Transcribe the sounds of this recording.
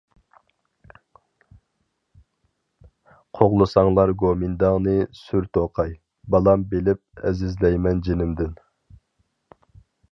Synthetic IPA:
qʰoʁlˠɨsɑŋlˠɑɾɡomɪnd̪ɑŋnɨsyɾt̪ʰoqʰɑj | bɑlˠɑmbelɪp̚ɛ̰zɪzlɛjmɛnd͡ʒenɪmd̪ɪn

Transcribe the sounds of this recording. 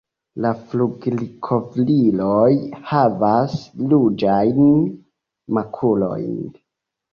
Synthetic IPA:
lafluɡlikʰo̞vlilojhavaslud͡ʒajn | makʰulo̞̰jn

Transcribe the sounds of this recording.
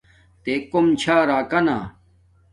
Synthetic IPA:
t̪eːkomt͡ɕʰaːɾaːkɐna̰ː

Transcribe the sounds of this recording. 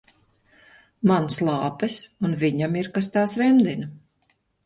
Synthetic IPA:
manslˠɑːpɛsunviɲamiɾkast̪aːsɾɛmd̪in

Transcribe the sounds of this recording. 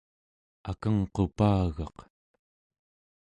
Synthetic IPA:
akaŋqo̞paːɣɑq

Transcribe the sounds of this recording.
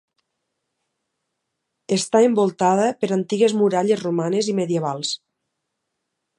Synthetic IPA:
est̪aembolˠt̪aðəpeɾant̪iɣezmuɾaʎezrumanezimeðieβalˠs

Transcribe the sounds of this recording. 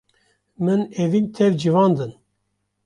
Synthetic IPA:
mɨnevint̪ʰɛvd͡ʒivɑːnd̪ɨn

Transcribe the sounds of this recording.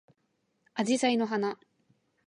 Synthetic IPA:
ad͡ʑisaino̞ɦana

